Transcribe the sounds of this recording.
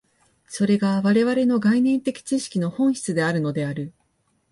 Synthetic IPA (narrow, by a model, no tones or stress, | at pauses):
so̞ɾe̞ɡaβaɾe̞βaɾe̞no̞ɡainẽ̞nt̪e̞kʲi̥t͡ɕiɕi̥kʲino̞hõ̞ɰ̃çi̥t͡sɨd̪e̞aɾɯ̟no̞d̪e̞aɾɯ̟